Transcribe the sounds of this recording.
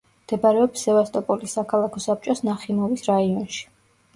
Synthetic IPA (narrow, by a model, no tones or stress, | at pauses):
md̪̥ɛbaɾɛɔpsːɛvast̪ʼɔpʼɔlisːakʰalˠakʰɔsap̚t͡ʃʼɔsnaχimɔvisɾaiɔnʃi̥